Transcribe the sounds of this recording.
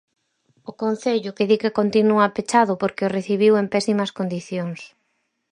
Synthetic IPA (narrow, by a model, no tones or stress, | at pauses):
ʊkon̟θeʎʊkeðikekont̪inuapet͡ʃaðʊpoɾkeoreθiβiwempɛsimɐskond̪iθjoŋs